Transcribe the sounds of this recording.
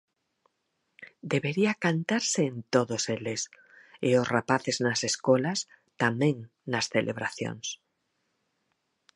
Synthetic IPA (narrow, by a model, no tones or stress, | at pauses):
d̪eβeɾiakant̪aɾseːnt̪oðoseles | ɪosrapaθeznɐseskolas | t̪amɛ̃ŋ | nasθelʔḛβɾaθjo̰ŋs